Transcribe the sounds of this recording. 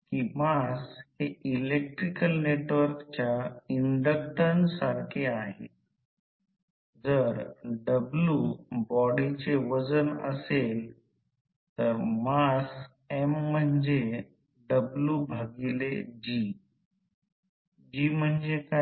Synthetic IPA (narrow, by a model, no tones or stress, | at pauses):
kimasheilek̚ʈɾikəlneʈʋəɾkt͡ɕjaiɳɖək̚ʈənsaɾkʰeaɦḛt̪̚ | d͡zəɾɖəbljubɔɽit͡ɕeʋəd͡zənə̰sel | t̪əɾmas | emːəɳd͡ze | ɖəbljubʱaɡiled͡ʑi | d͡ʑim̤əɳd͡zeka